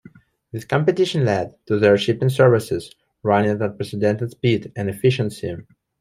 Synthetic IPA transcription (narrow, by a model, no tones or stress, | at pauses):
ðɪskɔ̃mpɨt̪ɪʃə̃nlɛd̚tuðəɹʃɪpɪ̃ŋsɛɹvɪsɪz | ɹãnɪdət̚pɹɛsɪdɛ̃ntɨdspidæ̃nɛfɪʃə̃nsi